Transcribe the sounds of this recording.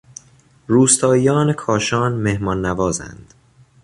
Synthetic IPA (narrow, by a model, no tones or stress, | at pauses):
ruːst̪ʰɒːijɒːnekʰɒːʃɒːnmehmɒːnːævɒːzæ̰nd̪̥